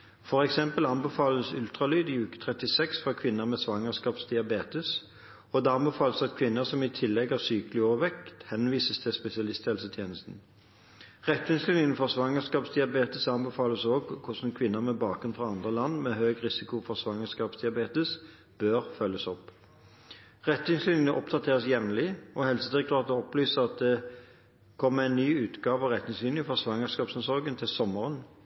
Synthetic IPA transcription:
fɔʁɛksɛmpəlɑnbɛfɑːləsʉlt̪ʁɑlyːd̪ɪʉːkə̥t̪ʰʁɛt̪ɪsɛksfʁɑkʰʋɪnːəʁmeːsʋɑŋəskɑːpsd̪ɪɑbeːt̪əs | ɔd̪ɛɑnbɛfɑːləsɑt̪kʰʋɪnːəʁsɔmɪt̪ʰɪlːɛɡɑːʋsyːkəlɪoːʋəʋɛkt̪hɛnʋiːsəst̪ʰɪspɛsɪɑlɪst̪ʰɛːlsət̪ʰjeːnəst̪n̩ | ʁɛt̪ːʋɪnslɪnɪŋənfɔʁsʋɑŋəskɑːpsd̪ɪɑbeːt̪əsɑnbɛfɑːləsoːɡkʰʊsn̩kʰʋɪnːəmɛbɑːkʁʉnfʁɑɑnd̪ʁəlɑnːmɛɦøːɡʁɪsɪkʊfɔʁsʋɑŋəskɑːpsd̪ɪɑbeːt̪əs | b̥øːʁfœlːəsɔp | ʁɛt̪ːɪŋslyːnɪŋŋəʔɔpd̪ɑt̪ʰeːʁəsjɛʋnlɪɔɦɛlsəd̪ɪk̪ʁɑːt̪əɔplyːsəʁɑt̪̚d̪ɛ | kʰɔmːəʁæɪnnyːʉːt̪ɡɑːʋɑʁɛt̪nɪŋslɪnjɪfɔʁsʋɑŋəskɑːpsɛnsɔʁɡənt̪ʰɪlsɔmːəʁən

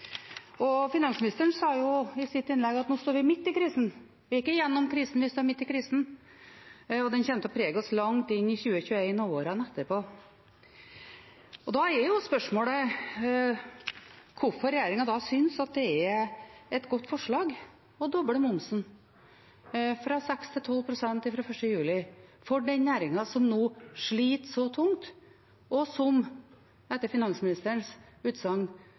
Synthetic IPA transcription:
ɔfɪnɑnsmnɪst̪əəɳsɑːjʊɪsɪt̪ːɪnlɛɡɑt̪noːst̪oːɾʋɪmɪt̪ːɪkʰɾiːsn̩ | ʋɪɪkːəjɛnːɔmkʰɾiːsn̩ʋɪst̪oːɾmɪt̪ːɪkʰɾiːsn̩ | ɔd̪ɛnçɛnt̪əɔpʰɾeːɡɔslɑŋt̪ɪnːɪçʉːəçʉːeɪnooːɾənɛt̪ːəɾpʰoː | ɔd̪ɑɛɾjʊspœʂmoːlə | kʰʊɾfɔɾɛjeːɾɪŋɑd̪ɑːsʏnsɑt̪̚d̪ɛɛ | ɛt̪ɡɔt̪ːfɔʂɭɑːɡ | ɔd̪ɔbəlmʊmsn̩ | fɾɑsɛkst̪ʰɪlt̪ʰɔlːpʰɾʊsɛnt̪ɪfɾɑfœʂʈəjʉːlɪfɔɖɛnnæːɾɪŋɑsɔmnoːʂɭiːt̪sɔt̪ʰʊŋt̪ | ɔsɔm | ɛt̪ːəɾfɪnɑnsmɪnɪst̪əɳsʉːt̪sɑŋn

